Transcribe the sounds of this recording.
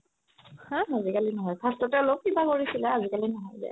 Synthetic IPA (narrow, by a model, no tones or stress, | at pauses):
hãazikalinɔɦɔjbʰʱastɔtɛolop̚kibakoɹisilɛazikalinɔɦɔjzɛ̰